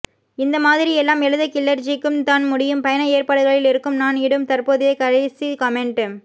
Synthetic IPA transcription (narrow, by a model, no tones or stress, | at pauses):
ɪnd̪ɐmaːðɪɾɪɛlːaːmɪɻɯðɐkɪlːɐɾt͡ʃɪkːɯmt̪aːnmʊɽɪjɯmpɐjɐnɐeːrpaːɽɯɣɐɭɪlɪɾɯkːɯmnaːnɪɽɯmt̪ɐrpoːðeːkɐɾɐsikɐmɛɳʈeːm